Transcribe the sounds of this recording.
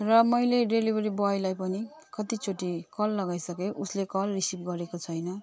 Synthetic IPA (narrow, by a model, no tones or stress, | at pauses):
rʌmʌjleɖelibʱʌɾibajlajpʌni | kʌt̪it͡sʰoʈikʌlːʌɡajsʌkeʔuslekʌlrisipɡʌɾekot͡sʰʌjnʌ